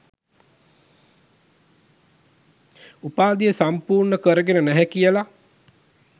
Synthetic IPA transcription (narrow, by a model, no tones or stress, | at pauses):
upaːd̪ijəsampuːrɳəkəɾəɡenənæɦɛkijəla